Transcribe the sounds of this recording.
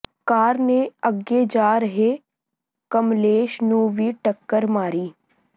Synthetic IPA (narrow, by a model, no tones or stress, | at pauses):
kaːɾneəɡed͡ʒaːɾəɦe | kɐmleːʃnũːʋiʈəkːəɾmaːɾiː